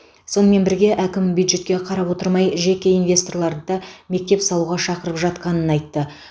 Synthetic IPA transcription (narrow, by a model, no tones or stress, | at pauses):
so̞nəme̞nbɪɾɡʲe̞ʔækʲɪmbjud̪ʒe̞t̪kʲe̞qʰɑɾɑpwo̞t̪əɾmɑjʒe̞kʲe̞invʲe̞st̪o̞rɾlˠɑɾd̪əd̪ɑme̞k̚t̪e̞psɑlˠuʁɑʃɑqəɾəpʒɑt̪qɑnənɑjt̪ːə